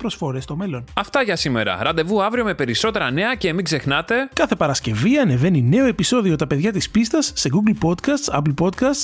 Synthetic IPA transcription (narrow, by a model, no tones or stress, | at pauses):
pɾosfo̞ɾe̞st̪o̞me̞lo̞nɐft̪ɐʝɐsime̞̰ɾɐ̰ɾɐnd̪e̞vuɐvɾio̞me̞pe̞ɾiso̞t̪e̞ɾɐne̞ɐce̞ːmiɡze̞xnɐt̪e̞kɐθe̞pɐɾɐsce̞viɐne̞ve̞nine̞o̞e̞piso̞ðio̞t̪ɐpe̞ðʝɐt̪ispist̪ɐsːe̞ɡuɡlpo̞d̪kɐst̪sɐ̰plpo̞d̪kɐsts